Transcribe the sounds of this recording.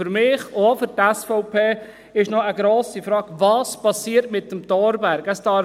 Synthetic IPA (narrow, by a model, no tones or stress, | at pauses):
yɾmɪχofyɾtɛsfɔʊpʰeː | ɪʃnɔəɡɾoːsifɾɑːkʋɑːspɑsiːəɾtmɪtːəmtɔːɾbæɾɡəstɑ